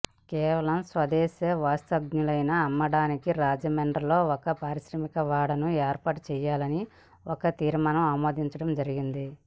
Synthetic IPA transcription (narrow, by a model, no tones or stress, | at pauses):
kɛːʋɐlɐmsʋɐd̪ɛːseʋaːst̪ɐɡɲulɐjnɐːmːɐɽaːnikiɾaːd͡ʒɐmeɳɖɐlo̞ːɔkɐpaːɾiʃɾɐmikɐʋaːɽɐnueːɾpaːʈt͡ʃɛːjaːlɐni | ɔkɐt̪iːɾmaːnɐmaːmoːd̪iɲt͡ʃɐɽɐmd͡ʒɐɾiɡind̪i